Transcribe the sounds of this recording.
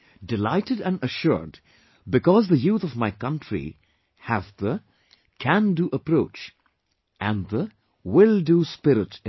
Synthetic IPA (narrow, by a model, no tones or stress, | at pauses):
dɪlaɪtɨdæ̃nəʃɔ̰ɹd | bɨkɔzðəjut̪ɔvmaɪkʌ̃ntʰɹḭ | hæzðə | kʰæ̃nduʔəpɾoʊt͡ʃ | ʔæ̃nðə | wɪlˠduspɪɾɪt